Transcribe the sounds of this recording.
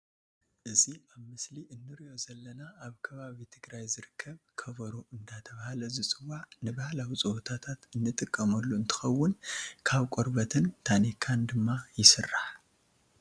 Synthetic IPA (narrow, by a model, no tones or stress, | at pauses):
ʔɨziaβmɨsliʔɨnːɨɾio̞zɐlːɐnaaβkʰɐβaβit̪ʰɨɡɾajzɨɾɨkʰːɐβkʰɐβɐɾoɨnd̪at̪ʰɐβahalɐzɨt͡sʼɨwːaʕnɨβahlawit͡sʼɨwot̪ʰat̪ʰat̪ɨnːɨt̪ʼɨkʼːɐmɐlːuɨnt̪ʰɨ̥xɐwːʊnkʰaβkʼoɾbɐt̪ʰɨnt̪ʰanikʰand̪ɨmːajɪsɨrːaħ